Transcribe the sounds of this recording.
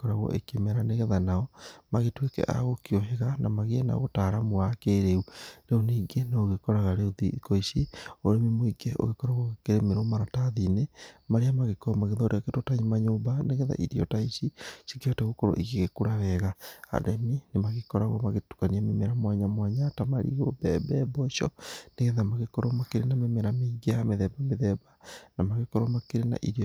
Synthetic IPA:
kɔɾaɣwɔ̰ʔekemɛɾaneɣɛðanaɔmaɣetwekɛ̰ʔa̰ɣokioɦeɣanamaɣeɛna̰ɣotaɾamoakeɾeuɾeoneːɡeneoɣekɔɾaɣaɾeoðḭkoisioɾemimoiɡeʔo̰ɣekɔɾaɣwɔɣekeɾemeɾomaɾataðinemaɾeamaɣekɔmaɣeðaoɾeɣaketotaɲimaɲoːmbaneɣɛða̰ʔḭɾiɔtaisisi̥kiataɣokɔɾo̰ʔiɣeɣekuɾaβɛɣaa̰ɾɛminemaɣekɔɾaɣɔmaɣetu̥kaniamemeɾamwaɲamwaɲatamaɾḭɣobɛbɛbɔʃɔ̰neɣɛðamaɣekɔɾɔmakeɾenamemeɾameɡeameðɛbameðɛbanamaɣekɔɾɔmakeɾena̰ʔḭɾi

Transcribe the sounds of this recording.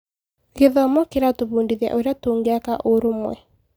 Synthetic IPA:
ɣeðɔmɔkeɾatoβuːndiðja̰ʔoɾeatoːŋɡeakaʔoɾomwɛ̰

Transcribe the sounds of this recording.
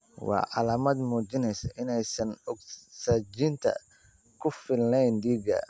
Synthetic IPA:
wɑ̰ːʕɑlaːmɐd̪muːt͡ʃɪnɛjsɐʔɪnɛjsɐnɔɡsaːd͡ʒɪnt̪ʰɐ̰ | kʰʊfɪlnɛjnd̪iːɡɐ̰

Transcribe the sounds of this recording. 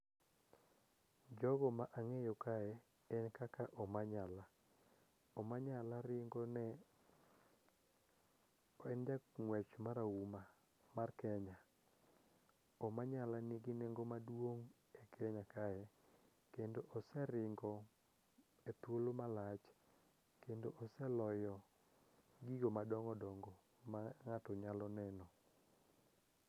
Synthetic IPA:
d͡ʒɔɡɔmaʔaŋejɔkaɛ | ɛnkakaʔɔmaɲala | ɔmaɲalaɾɪŋɡɔnɛ | ɛnd͡ʒaŋwɛt͡ʃmaɾauma | markɛɲa | ɔmaɲalanɪɡɪneŋɡomadwoŋ | ɛkʰɛɲakajɛ | kendoʔɔsɛɾɪŋɡɔ | et̪wolomalat͡ʃ | kendoʔɔsɛlɔjɔ | ɡiɡomadɔŋɔdɔŋɡɔ | maŋatɔɲalɔnɛnɔ

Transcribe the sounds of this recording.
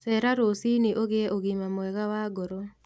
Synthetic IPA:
sɛɾaɾosiniʔoɣeʔoɣimamwɛɣawaɡɔɾo

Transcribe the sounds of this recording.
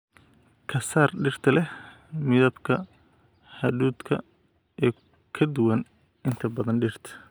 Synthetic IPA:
kʰɐsaːrɖɪrt̪ʰɐlɛh | mɪðɐbkʰɐ | hɐðuːd̪kʰɐ̰ | ɛː | kʰɐd̪ʊwɐn | ɪnt̪ʰɐbɐðɐnɖɪr̥t̪ʰɐ̥

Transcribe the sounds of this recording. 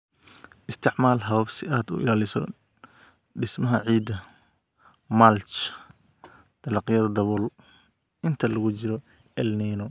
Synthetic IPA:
ʔɪst̪ʰɪʕmaːlɦɐβɐbsɪʔaːd̪ʊ̰ʔɪ̰laːlɪsɔ̰ | ɖɪsmɐɦɐʕiːd̪ɐ | malt͡ʃ | d̪̥ɐlɑqjɐðɐd̪ɐβɔːl | ʔɪnt̪ʰɐlɐɣʊt͡ʃɪɾɔ | ɛlniːnɔ

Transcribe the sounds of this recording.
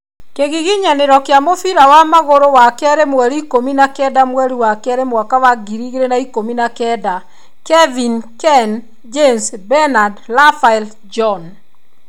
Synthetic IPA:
keɣiɣiɲaneɾɔkeamofiɾawamaɣoɾowakɛɾemwɛɾikominakɛdamwɛɾiwakɛɾemwakawaɡiɾiɣeɾenaikominakɛda | kɛvinkɛn | d͡ʒensbɛnadlafaɛl | d͡ʒɔn

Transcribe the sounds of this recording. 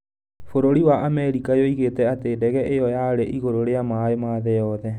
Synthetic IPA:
foɾoɾiwaʔamɛɾikajoiɣetɛatedɛɣɛʔejɔjaɾeʔiɣoɾoɾeamaemaːðɛjɔðɛ

